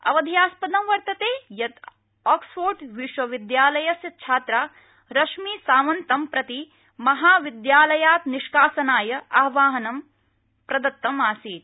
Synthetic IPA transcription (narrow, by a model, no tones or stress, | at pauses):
ɐ̰ʋɐd̪ʱijaːspɐd̪ɐ̃mʋɐɾt̪ɐt̪eːjɐt̪ | ɔːksfoːɾɖʋiʃwɐʋid̪jaːlɐjɐsjɐt͡ʃʰaːt̪ɾaː | ɾɐʃmiːsaːʋɐnt̪ɐmpɾɐt̪i | mɐɦaːʋid̪jaːlɐjaːt̪niʃkaːsɐnaːjɐɐɦʋaːɦɐnɐm | pɾɐd̪ɐt̪ːɐmaːsiːt̪